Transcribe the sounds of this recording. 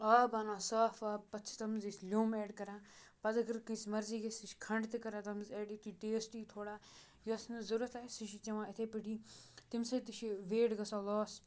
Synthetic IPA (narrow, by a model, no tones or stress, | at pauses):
aːbaːnãːsaːfaːpɐtːt͡ʃʰi̥t̪ɐmzislʲoːmɛːɖkɐɾãːpɐzɐɡɐɾkĩsmɐɾziːɡɐsiʃkʰɐɳɖt̪ikɐɾãːt̪ɐmzɛːɖiːt̪iʈeːsʈiːt̪ʰoːɽaː | jɐsnzʊɾɐt̪aːsiʃit͡ʃɐʋãːɪt̪ʰeːpɪʈiːt̪ɪmsɐt̪iʃiʋeːɖɡɐsãːlɔːs